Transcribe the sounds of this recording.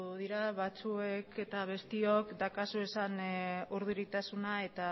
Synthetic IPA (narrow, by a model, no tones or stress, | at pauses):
ðiɾaβat͡sue̞kʰe̞t̪aβ̞e̞st̪io̞kd̪akasue̞sanuɾðuɾit̪asunae̞t̪a